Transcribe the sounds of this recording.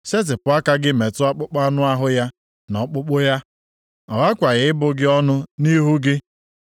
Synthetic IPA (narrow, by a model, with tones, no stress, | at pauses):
se˦t̬ɪ˨pʊ˨˦a˦ka˦ɡɪ˦me˨tʊ˦a˦k͡pʊ˦k͡pa˦nʊ˦a˦ɦʊ˦ja˦ | nɔ˨k͡pʊ˦k͡pʊ˦ja˦ | ɔ˨ɣa˦kʷa˨ɣɪ˨ɪ˦bʊ˨ɡɪ˦ɔ˦nʊ˦ni˦ɦu˦ɡɪ˦